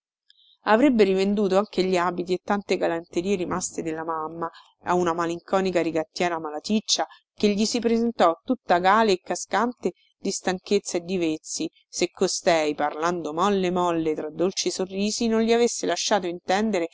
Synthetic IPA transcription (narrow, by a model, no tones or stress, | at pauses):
avɾebːeɾivend̪uːt̪oaŋk̟eʎːiaːbit̪̬iet̪ːant̪eɡalant̪eɾiːeɾimast̪ed̪elːamamːa | a̰unamaliŋkɔːnikaɾiɡat̪ːjɛːɾamalat̪it͡ʃːa | keʎːisipɾezent̪ɔt̪ːut̪ːaɡaːleːkːaskant̪e | d̪ist̪aŋket̪sːaed̪ːivet̪sːi | sekːost̪ɛjparland̪omɔlːemɔlːet̪ɾad̪ːolt͡ʃisorːiːzinonʎiavesːelaʃːaːt̪oint̪ɛnd̪eɾe